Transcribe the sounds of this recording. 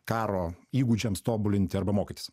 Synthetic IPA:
kɑːɾoːiːɡud͡ʒʲɛmst̪oːbʊlʲɪnʲt̪ʲɪɐɾbɐmoːkʲɪt̪ʲɪ̥s

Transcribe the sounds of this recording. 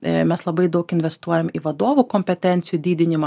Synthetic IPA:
mʲɛslˠɐbɐɪd̪ɐʊkɪnʲʋʲɛst̪uɔjɛmiʋɐd̪oːʋukɔmʲpʲɛt̪ʲɛnʲt̪sʲɪjud̪ʲiːd̪ʲɪnʲɪmɐ

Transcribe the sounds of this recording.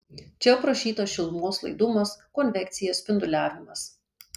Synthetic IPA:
t͡ʃʲɛpɾɐʃʲiːt̪oːsʃʲɪlˠmoːslˠɐ̰ɪd̪ʊmɐskɔnʲʋʲɛkt̪sʲɪjoːspʲɪnd̪ʊlʲæːʋʲɪmɐs

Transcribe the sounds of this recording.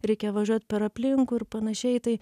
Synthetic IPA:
ɾʲɛɪkʲɛʋɐʒʲuɔt̪ʲpʲɛɾɐpʲlʲɪŋkuɪɾpɐnɐʃʲɛɪt̪ɐɪ

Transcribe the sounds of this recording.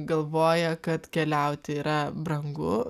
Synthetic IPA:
ɡɐlˠʋoːjɛkɐt̪kʲɛlʲɛʊt̪ʲɪiːɾɐbɾɐŋɡʊ

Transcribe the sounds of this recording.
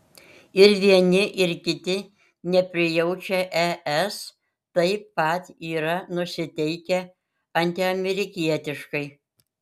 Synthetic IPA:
ɪɾʋʲiɛnʲɪʔɪɾkʲɪt̪ʲɪ | nʲɛpʲɾʲɪjɛʊt͡ʃʲɛʔɛʔɛs | t̪ɐɪpːɐt̪ʲiːɾɐnʊsʲɪt̪ʲɛɪkʲɛ | ɐnʲt̪ʲɪɐmʲɛɾʲɪkʲiɛt̪ʲɪʃkɐɪ

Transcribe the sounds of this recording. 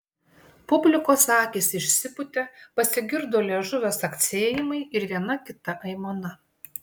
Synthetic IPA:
pʊbʲlʲɪkoːsɑːkʲeːsʲɪʃʲsʲɪpʊt̪ʲɛpɐsʲɪɡʲɪɾd̪oːlʲeʒʊʋʲɛsɐkt̪sʲeːjɪmɐɪɪɾʋʲiɛnɐkʲɪt̪ɐʔɐɪmoːnɐ

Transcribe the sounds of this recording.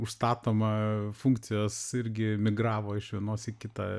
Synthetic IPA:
ʊʃst̪ɑːt̪oːmɐfuŋkt̪sʲɪjoːsɪɾʲɡʲɪmʲɪɡɾɑːʋoːɪʃʋʲiɛnoːsɪkʲɪt̪ɐ̰

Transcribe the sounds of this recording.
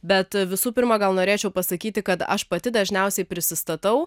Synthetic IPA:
bʲɛt̪ʋʲɪsuːpʲɪɾmɐɡɐlˠnoːɾʲeːt͡ʃʲɛʊpɐsɐkʲiːt̪ʲɪkɐt̪ɐ̰ʃpɐt̪ʲɪd̪ɐʒʲnʲɛʊsʲɛɪpʲɾʲɪsʲɪst̪ɐt̪ɐʊ

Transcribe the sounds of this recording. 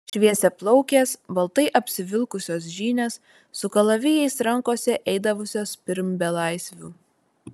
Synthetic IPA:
ʃʲʋʲiɛsʲɛplˠɔʊkʲeːsbɐlˠt̪ɐɪʔɐpʲsʲɪʋʲɪlˠkʊsʲoːsʒʲiːnʲeːsː | ʊkɐlˠɐʋʲɪjɛɪsɾɐŋkoːsʲɛʔɛɪd̪ɐʋʊsʲoːspʲɪɾʲmʲbʲɛlˠɐɪsʲʋʲṵː

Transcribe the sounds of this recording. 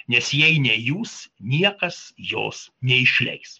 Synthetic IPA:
nʲɛsjɛɪnʲɛjuːsnʲiɛkɐsjo̰ːsnʲɛɪʃʲlʲɛ̰ɪs

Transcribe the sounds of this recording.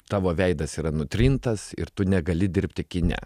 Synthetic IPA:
t̪ɑːʋoːʋʲɛɪd̪ɐsiːɾɐnʊt̪ʲɾʲɪnt̪ɐsɪ̰ɾt̪ʊnʲɛɡɐlʲɪd̪ʲɪɾʲpʲt̪ʲɪkʲɪnʲæ̰

